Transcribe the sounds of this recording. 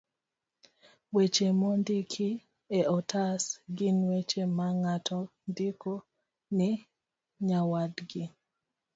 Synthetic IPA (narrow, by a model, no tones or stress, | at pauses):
wet͡ʃemondikʰi | eɔtʰasɡɪnwet͡ʃemaŋatʰɔndiko | nɛ | ɲawadɡɪ